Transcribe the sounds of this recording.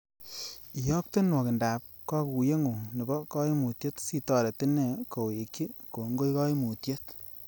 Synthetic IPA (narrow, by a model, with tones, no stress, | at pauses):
i˨jɔ˦k̚te˦nwɔ˨kɪ˨nda˨p̚ | kɔ˦ku˨je˦ŋu˨ni˨bɔ˦kɔ˦i˦mu˨tje˦tsi˦˨tɔ˦˨ɾe˨tɪ˦ne˨ko˨e˨ki˦ko˨˦ŋɡo˦jkɔ˦i˦mu˨tje˦t